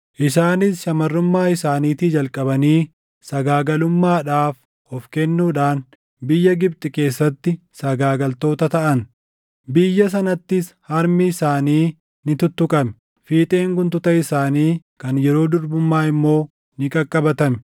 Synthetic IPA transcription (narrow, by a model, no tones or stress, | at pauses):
ʔɪsaːnɪsʃɐmɐrːʊmːaːɪsaːniːt̪iːd͡ʒɐlkʼɐbɐniː | sɐɡaːɡɐlʊmːaːᶑaːf | ɔfkɛnːuːᶑaːn | bɪjːɐɡɪb̚t̪ʼɪke̞ːsːɐt̪ːɪ | sɐɡaːɡɐlt̪o̞ːt̪ɐt̪ɐʔɐn | bɪjːɐs̬ɐnɐt̪ːɪshɐɾmɪːsaːniː | nɪt̪ʊt̪ːʊkʼɐmɛ | fiːt̪ʼe̞ːŋɡʊnt̪ʊt̪ɐɪsaːniːkɐnjɛɾo̞ːd̪ʊɾbʊmːaːɪmːo̞ː | nɪkʼɐkʼːɐbɐt̪ɐmɛ